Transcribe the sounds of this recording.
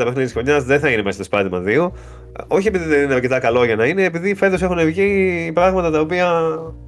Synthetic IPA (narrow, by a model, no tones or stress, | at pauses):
ɐmexnit̪isxo̞ɲɐzðeθɐinemese̥st̪ospɐðimɐ̰ðiu | o̞çie̞piðiðe̞nineɐɾce̞t̪ɐkɐlo̞ʝɐnɐine̞ːpiðife̞t̪ose̞xunevʝipɾɐɣmɐt̪ɐt̪ɐopiɐ